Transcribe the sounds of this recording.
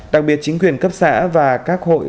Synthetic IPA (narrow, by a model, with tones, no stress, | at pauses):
ɗa˨˩k̚ɓi˨˩ət̚t͡ɕï˨˦ŋ̟kwi˨˩ənkə˦˥p̚sa̰ː˧˥vaː˨˩kaː˦˥k̚ho̰˧˨j